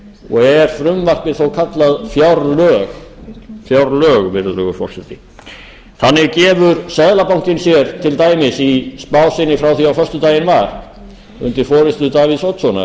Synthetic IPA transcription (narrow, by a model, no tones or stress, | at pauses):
ɔɣɛɾ̥fɾʏmvar̥pɪðθowkʰat̪laðfjawɾlœːɣfjawɾlœːɣvɪɾlœɣʏfɔ̰rsɛt̪ɪ | θanːɪɣcɛːvʏɾsɛðlapawŋ̥cɪnsjɛɾ̥t̪ʰɪlt̪aːjmɪsispaːwsɪnːɪfɾawθiawfœrst̪ʏt̪aːjɪnvaɾ̥ | ʏ̰nt̪ɪɾ̥fɔːɾɪst̪ʏt̪aːviðsowt̪sɔna̰